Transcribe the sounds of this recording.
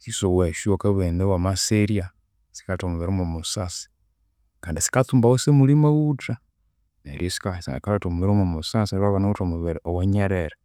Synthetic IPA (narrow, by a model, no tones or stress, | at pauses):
sisoweʃuokeβenewamaseɾia | si̥kaltomuβeɾomomusasi̥ | kaːndisi̥katuːmbawosemulimawuta | nḛɾjesi̥kaskaletomuβeɾomomusaseβaβanautomuβeɾeoweɲeɾeɾe